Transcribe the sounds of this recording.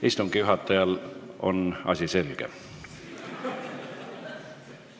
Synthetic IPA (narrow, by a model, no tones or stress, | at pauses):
ist̪umɡ̥ijuɦɑt̪ːˑɑjɑlo̞̰nɑ̰sʲise̞lɡ̥ḛ